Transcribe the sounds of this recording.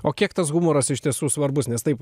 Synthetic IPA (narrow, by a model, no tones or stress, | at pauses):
oːkʲiɛkt̪ɐsɣumoːɾɐsɪʃʲt̪ʲiɛsuːsʋɐɾbʊsnʲɛst̪ɐɪp